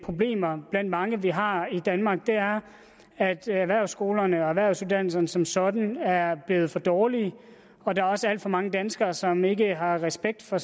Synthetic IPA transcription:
pʰʁo̝b̥le̝̰ːmɐb̥læn̰d̥mɑ̈ŋəʋiɦɑ̈id̥ænmɑ̈ːɡ̥̚d̥e̝æɐ | æd̥æʋæɐ̰sɡ̥o̝ːlɐnəɒ̽æʋæɐ̰suðˠd̥æn̰l̩sɐnəsɒ̽msɒ̽d̥n̩æɐb̥le̝ːð̩ˠfɒ̽d̥ɒːli | ɒ̽d̥ɑ̈æɐɒ̽səæl̰d̥fɒ̽mɑ̈ŋəd̥ænsɡ̥ɐːsɒ̽me̝ɡəɦɑ̈ʁɛsb̥eɡ̥̚d̥fɒ̽

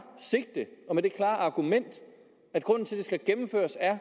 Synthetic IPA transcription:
se̝ɡ̥d̥əʔɒ̽med̥e̝kʰlɑ̰̈ːɑ̈ɡ̥umen̰d̥ | æd̥ɡ̥ʁɔ̽n̰n̩t͡sʰe̝lde̝sɡ̥æɡ̥emm̩fø̰ːɐsæɐ

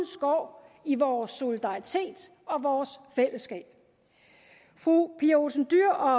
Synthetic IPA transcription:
n̩sɡ̥ɒ̰ːiʋɒːsːo̝lid̥ɑ̈ʁit͡sʰe̝̰ːd̥ | ɒ̽ʋɒːsfel̰əsɡ̥ɛ̰ːb̥ | fʁupʰio̝sn̩d̥yɐ̰ɒ̽

